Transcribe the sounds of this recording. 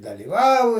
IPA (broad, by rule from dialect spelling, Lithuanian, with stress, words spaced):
dɐlʲiːˈʋɐʊ